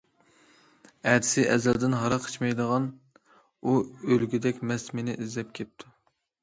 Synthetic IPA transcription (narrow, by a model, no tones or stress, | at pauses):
ɛd̪ɪ̥sɪʔɛzɛld̪ɪnɦɑɾɑqʰə̥t͡ʃmɛjd̪əʁɑn | uølɡʲyd̪ɛkʲmɛst̪menɪʔizlɛp̚kʲʰɛp̚t̪ʰu